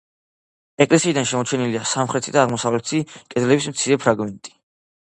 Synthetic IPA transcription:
ɛkʼlɛsiːd̪anʃɛmɔt͡ʃʰɛniliasamχɾɛt̪ʰid̪aːʁmɔsavlɛt̪ʰikʼɛd̪lɛbismt̪sʰiɾɛpʰɾaɡmɛnt̪ʼi̥

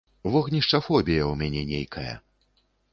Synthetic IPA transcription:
vɔɣnʲiʂt͡ʂɐfɔbʲijɐwmʲanʲɛnʲejkʰɐjɐ̰

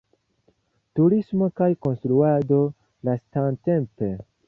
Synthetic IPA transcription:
tuɾismo̞kajko̞nstɾuado̞ | lastante̞mpe̞

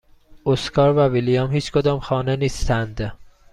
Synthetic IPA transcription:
oskʰɒːɾvævilijɑmhiːt͡ʃʰkʰod̪ɒːmxɒːneniːst̪ʰænd̪

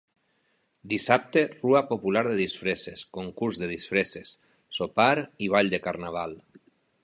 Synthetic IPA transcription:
d̪isap̚t̪eruapopulaɾðeðisfɾeseskoŋkuɾzðeð̞isfɾesesː | opaɾiβ̞aʎd̪ekaɾnaβ̞alˠ

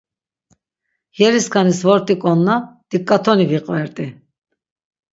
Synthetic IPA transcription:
jɛɾiskʰanisvɔɾt̪ʼikʼɔnːad̪̥ikʼːat̪ʰɔniviqʼvɛɾt̪ʼi

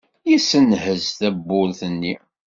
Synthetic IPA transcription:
jisənɦəzθæbːʊlθənːi

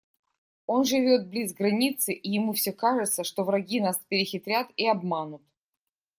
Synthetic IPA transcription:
o̞nʐɨvʲo̞t̪̚blʲizɡɾɐnʲit̪sɨʔɪjɪmufsʲɵkaʐɨt̪səʂt̪ovɾɐɡʲinaspʲɪɾʲɪxʲɪt̪ɾʲat̪iɐbmanʊt̪

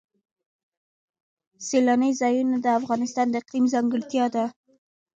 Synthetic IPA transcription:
selanəjzɑjunad̪əafɣɑnɪst̪ɑnd̪əqimzɑŋɡəɽt̪jɑd̪a

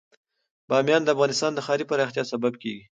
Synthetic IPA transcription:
b̥ɑmjɑnd̪əafɣɑnɪst̪ɑnd̪əxɑɾipaɾɑxt̪jɑsababkeɡi

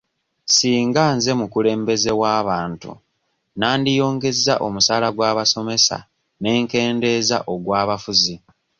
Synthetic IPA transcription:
siːŋɡaːnze̞mukule̞ːmbe̞ze̞waːβaːntṵ | naːndijo̞ːŋɡe̞zːa̰ʔo̞̰musaːlaɡwaːβaso̞me̞sa̰ | ne̞ːŋke̞ːnde̞ːza̰ʔo̞ɡwaːβafuzi

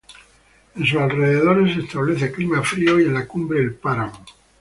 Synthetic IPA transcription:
ensusalre̞ðeðo̞ɾes̬e̞st̪aβleθeklimafɾioienlakumbɾeːlpaɾamo

